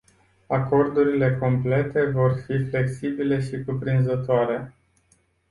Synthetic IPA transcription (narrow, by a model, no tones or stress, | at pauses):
ako̞rd̪uɾile̞ko̞mple̞t̪e̞vo̞rfifle̞ksibile̞ʃikupɾinzət̪oaɾe̞